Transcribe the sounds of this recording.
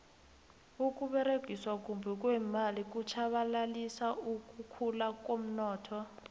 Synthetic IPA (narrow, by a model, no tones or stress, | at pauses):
uk̬ʼuɓɛɾeɡ̥ʱiswak̬ʼumbʱɛk̬ʼwɛmalik̬ʼut͡ʃʰaɓalalisauk̬ʼukʰulak̬ʼom̩nɔːtʰɔ